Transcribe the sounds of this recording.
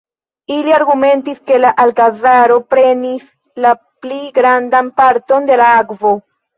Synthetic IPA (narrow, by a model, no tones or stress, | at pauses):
iliaɾɡumẽ̞ntiske̞laʔalkazaɾo̞pɾe̞nis | la | pliɡɾandanpaɾto̞nde̞laakvo̞